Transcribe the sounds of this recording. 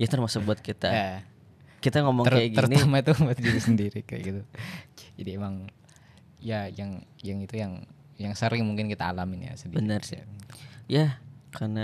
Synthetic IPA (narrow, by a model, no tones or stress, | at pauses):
jat̪ərmasʊk̚buat̪̚kit̪aa | kit̪aŋomɔŋəɾajaɡiəɾuniamat̪ubuat̪̚d͡ʒiɾisəndiɾika̰ja̰ɡit̪u | d͡ʒadiemaŋ | ijajaŋjaŋit̪ujaŋ | jaŋsəɾɪŋmuŋkɪnkit̪aːlamɪnja̰səndibənərs | jakʰarna